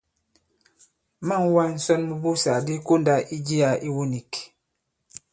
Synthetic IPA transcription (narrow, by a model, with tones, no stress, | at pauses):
ma˦˨ŋ˦wa˦n̩˨˦sɔ˦nmu˦bu˦sa˨di˦ko˦nda˦ʔi˦d͡ʒi˦a˨ʔi˦wo˦ni˨k